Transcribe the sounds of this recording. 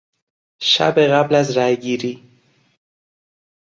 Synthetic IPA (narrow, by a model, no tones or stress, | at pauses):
ʃæ̰beɣæblæzɾæjɡiːɾiː